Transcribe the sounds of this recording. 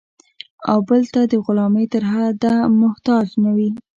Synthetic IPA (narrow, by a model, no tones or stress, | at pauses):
a̰wbəlt̪ad̪əɣʊlɑmet̪əɾɦad̪amʊht̪ɑd͡ʒnawi